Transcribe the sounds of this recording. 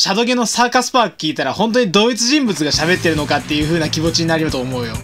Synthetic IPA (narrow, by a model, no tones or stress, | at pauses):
ɕad̪o̞ɡeno̞saːkasɨ̥paːkɯ̥kʲiːt̪aɾahõ̞nt̪oɲ̟id̪o̞ːit͡sɨʑĩmbɯ̟t͡sɨɡaɕaβe̞t̪ːe̞ɾɯ̟no̞kat̪ːe̞jɯ̟ɸɯ̟ːnakʲibo̞t͡ɕiɲ̟inaɾʲijot̪oːmo̞ɯ̟jo̞